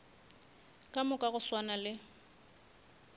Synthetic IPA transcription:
kʼamʊkʼaɣʊswanalɪ

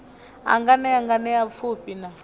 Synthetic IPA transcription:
a̰ŋɡanɛaŋɡanɛap̪fʰupʼina

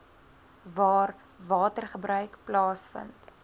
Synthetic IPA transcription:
vɑːr | vɑːtərχəbɾœɥkplɑːsfə̰nt

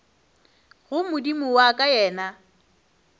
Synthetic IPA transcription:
ɣʊmʊdimʊwakʼajɛːna

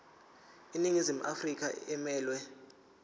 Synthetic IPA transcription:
iniŋizim̩ʔafrik̬ʼaɛmɛːlwɛ

